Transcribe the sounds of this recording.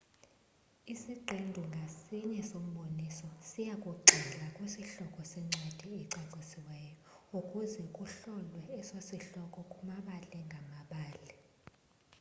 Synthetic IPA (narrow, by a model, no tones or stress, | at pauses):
isiǀʱindʱuŋɡʱasiɲɛsom̩ɓonisɔsijakʼuǃʱilakʼwesiɬɔkʼɔsɛŋ͡ǀed̥ʱiːǀaǀisiwɛjɔukʼuzɛkʼuɬɔlwɛːsosiɬɔkʼɔkʼumaɓalɛŋɡʱamaɓaːlɛ